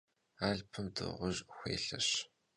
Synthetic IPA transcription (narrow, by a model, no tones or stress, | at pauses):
aːɮpʰɨmdɨ̰ʁʷʊʑxʷeːɬɐɕ